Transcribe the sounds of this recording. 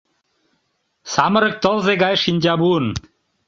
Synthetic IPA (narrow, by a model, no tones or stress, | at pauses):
saːmɐɾɐk̚t̪owzeɡaeʂinʲd͡ʑaːbuːn